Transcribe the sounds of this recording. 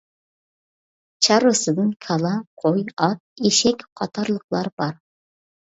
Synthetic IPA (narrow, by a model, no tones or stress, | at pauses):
t͡ʃʰɑɾɨsɨd̪ɨnkʲʰɑlˠɑqʰojɑt̪̚eʃɛkʲqʰɑt̪ʰɑɾlˠəqlˠɑɾbɑɾ